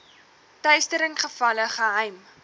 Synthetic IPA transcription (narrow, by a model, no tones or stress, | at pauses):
tœɥstəɾəŋχəfɐləχəɦɛjm